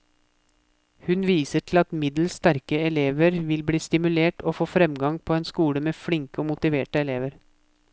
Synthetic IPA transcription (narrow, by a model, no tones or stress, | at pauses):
hʉnʋiːsəʈʰl̩ɑt̪mɪd̪l̩st̪æɾkəɛleːʋəɾʋɪlbɽiːst̪ɪmʉleːʈoːfoːfɾɛmɡɑŋpʰoːeːnskuːɽəmeːfɽɪŋkəoːmʊt̪ɪʋeːʈəɛleːʋəɾ